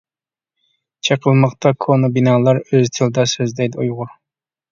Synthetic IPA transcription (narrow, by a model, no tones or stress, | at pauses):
t͡ʃʰeqʰəlˠmɑqt̪ɑkʰonɑbinɑːlˠɑɾøzt̪ʰɨlˠɨd̪ɑsøzd̪ɛjd̪ɪujʁʊɾ